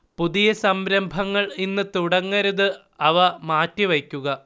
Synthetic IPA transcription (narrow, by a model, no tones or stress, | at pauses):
puðijɐsɐmɾɐmbʱɐŋːɐɭinːɨt̪uɽɐŋːɐɾuðɨ | ɐʋɐmaːtːiʋɐkʲːuɣɐ